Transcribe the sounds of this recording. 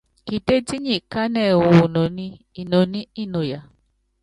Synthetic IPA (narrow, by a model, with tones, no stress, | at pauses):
ki˨te˦ti˦ɲĩ˦˨ka˦nɛ˨wo˨nɔ̃˨nĩ˦ | i˨nõ˨nĩ˦i˦˨nõ˨ja˨